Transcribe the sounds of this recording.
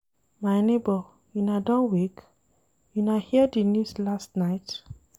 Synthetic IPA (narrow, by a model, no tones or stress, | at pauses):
maɪnebɔ | junadãnwek | junahiədinuslastnaɪt